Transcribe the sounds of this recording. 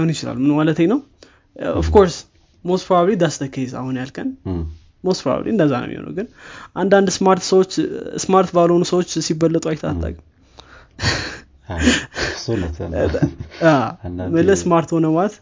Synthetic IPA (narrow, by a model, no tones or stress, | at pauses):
ahunjɪt͡ʃɪla̰lːmɨnmalət̪ʰeɲnəw | ɔfkʰo̞ɾs | mospʰɾaβlid̪ast̪ʰəkʰːeiza̰hunjalkʰʼən | mospʰɾa̰βlḭɨnd̪əzːanə̰mḭho̰nə̰wɡɨnʔand̪and̪smaɾt̪səwot͡ʃːsmaɾt̪baləhonusəwot͡ʃːsibəlːət̪ʼajt̪ʰat̪ʰʼːa̰kʼ | aməlːəsmaɾt̪ho̞nəmat̪